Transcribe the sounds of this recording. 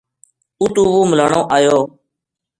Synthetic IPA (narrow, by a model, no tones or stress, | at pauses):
uːt̪ũːʋuːməlaːɳõːʔaːjoː